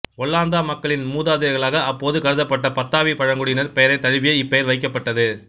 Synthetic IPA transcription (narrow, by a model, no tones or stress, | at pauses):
ɔɭːaːnd̪aːmɐkːɐɭɪnmuːðaːðɪɾɐɣɐɭaːɣɐɐpːoːðɯkɐɾɯðɐpːɐʈːɐpɐt̪ːaːʋipɐɻɐŋɡɯɽɪjɪnɐɾpɛjɐɾɐɪt̪ːɐɻɯʋɪjɐɪpːɛjɐɾʋɐɪk̬ːɐpːɐʈːɐðɯ